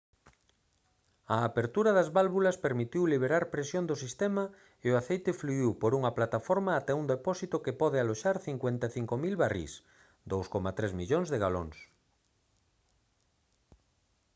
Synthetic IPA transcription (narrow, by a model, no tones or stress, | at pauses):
aːpeɾt̪uɾaðazβalβulaspeɾmit̪iwliβ̞eɾaɾpɾesjond̪osist̪ɛma | eoaθejt̪efluiwpoɾuŋɐplat̪afɔɾmaːt̪ɛund̪epɔsit̪okepɔðealoʃaɾθiŋkwẽnt̪aθiŋkomilβarḭs | d̪owskomat̪ɾezmiʎoŋzðeɣalo̰ŋs